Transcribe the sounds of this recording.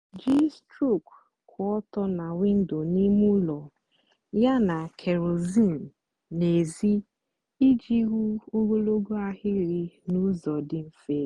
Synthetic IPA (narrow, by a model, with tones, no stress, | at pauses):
d͡ʒi˦stɾu˦˨k | kʰʊ˨ɔ˦tɔ˦na˨wɪ˦n̩˦do˨ni˦mu˦lɔ˨ | ja˦na˨kʰe˨ɾo˨zi˦˨m̩˨ | ne˨zi˦ | i˦d͡ʒi˦ɣu˦o˦ɡo˦lo˦ɡo˦a˦ɦɪ˦ɾɪ˦nu˦zɔ˨dɪ˦m̩˦fe˦˨